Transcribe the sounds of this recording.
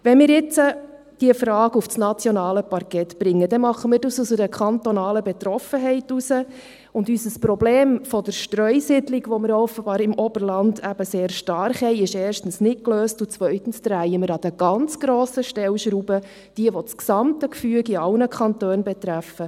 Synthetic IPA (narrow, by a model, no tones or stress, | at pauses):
ʋɛnmɪːɾjɪt͡sə | d̥iəfɾɑːɡufsnɑt͡sjɔnɑːləpɑɾkɛtb̥ɾɪŋːəd̥ɛmɑχːəmɪːɾdɑsusədəkʰχɑntɔnɑːləbɛt̪ɾɔfəɦɛɪtusə | ʊndysəspɾɔbleːmfɔdəɾʃtɾœʏsɪdliɡʋɔmɪɾɔfəbɑːɾɪmʔɔbəɾlɑndæb̥əseːɾʃtɑrχhɛɪɪʃeːɾʃtn̩snɪt̚kløːstʊt͡sʋœʏtn̩sd̥̪ɾæjəmɪɾɑd̥əɡ̥ɑnt͡sɡ̥ɾoːsəʃtɛlʃɾuːbə | d̥iəʋɔt͡sksɑmtəkfyəkiɑlnəkʰɑntøːnbɛt̪ɾæfə